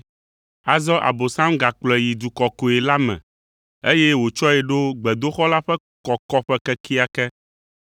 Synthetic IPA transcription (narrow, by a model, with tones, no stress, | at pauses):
a˨zɔ˦ʔa̰˨bo˨sã˦mɡa˨k͡plɛ˨ji˨d̪u˨kɔ˨ko˨ɛ˨la˦mɛ̰̃˨ | e˦je˦wo˨t͡ʃɔ˦ɛ˨ɖo˦ɡ͡bɛ˨d̪o˦xɔ˦la˦ɸɛ˦ | kɔ˨kɔ˦ɸɛ˦kɛ˦kʰi˦a˨kɛ˦